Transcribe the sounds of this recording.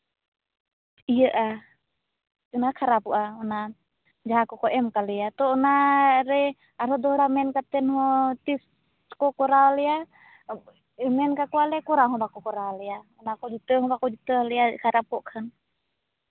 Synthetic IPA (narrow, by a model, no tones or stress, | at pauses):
ijəʔa | unakʰaɾapuʔaɔna | d͡ʒaɦakɔkɔʔɛmkaliat̪ɔːnaɾɛ | aɾɔd̪ɔɦɽamɛnkat̪ɛnhɔt̪is | kɔkɔɾalia | mɛnkakualɛkuɾaɦɔbakɔkɔɾaliaɔnakɔd͡ʒut̪əɦɔbakɔd͡ʒit̪əliakʰaɾapɔʔkʰən